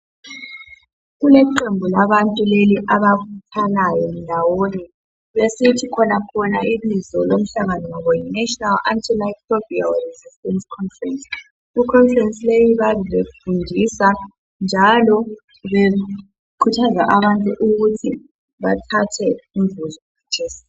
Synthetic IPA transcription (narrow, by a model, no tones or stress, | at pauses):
ɣulɛǃembʱulaβantʼuleliʔaβaktʰalajɔndʱawoni | βesitʰikʰɔnakʰɔnailizɔlom̩ɬaŋanɔŋɔβɔjinɛʃɔnala̰ntʰilatobialrizistʼɛnskʰɔnfrɛns | ikʰɔɱfrɛnsilejiβaβilefundʱisa | nd͡ʒʱalɔ | βe | kʰutʰaza̰ʔaβantʼuʔuɣutʰi | βatʰatʰɛuɱvuzɔ | at͡ʃʰeːsḁ